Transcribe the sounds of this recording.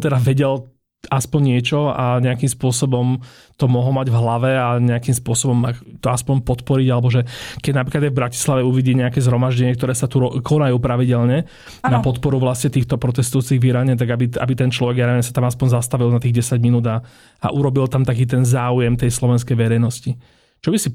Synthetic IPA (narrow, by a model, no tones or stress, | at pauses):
t̪ɛd̪aʋɛɟɛl | aspɔɲɲɪɛt͡ʃɔaɲɛakimspʊɔsɔbɔm | t̪ɔmɔɦlɔmaɟvɦlaʋɛaɲɛakimspʊɔsɔbɔmat̪ɔaspɔɲpɔt̪pɔɾiɟalɛbɔʒɛkɛɟnapɾiklad̪jajvbɾaci̥slaʋɛuʋiɟiːɲɛakɛzɦɾɔmaʒɟɛɲɪɛkt̪ɔɾɛːsat̪uɾɔkʰɔnajuːpɾaʋiɟɛlɲɛ | napɔt̪pɔɾuʋlasɲɛt̪iːxt̪ɔpɾɔt̪ɛst̪ujuːt͡siɣʋiɾaɲɛt̪̬aɡabia̰bit̪ɛnt͡ʃlɔʋɛɡjaɾɛɲɛsat̪amaspɔɲzast̪aʋilnat̪iːɣɟɛsaɟminuːd̪a | a̰ʔuɾɔbilt̪amt̪ak̬iːt̪ɛnzaːujɛmt̪ɛjslɔʋɛnskɛjʋɛɾɛjnɔsci | t͡ʃɔbisi